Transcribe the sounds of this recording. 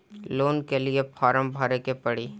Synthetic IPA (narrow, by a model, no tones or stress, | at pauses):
loːnkeliepʰaːɾəmbʱaːɾekepɐɽiː